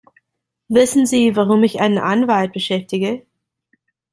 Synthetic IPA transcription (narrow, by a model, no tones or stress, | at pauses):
vɪsn̩ziːvaʁʊmɪça̰ɪnənʔanvalt̚b̥əʃɛftɪɡə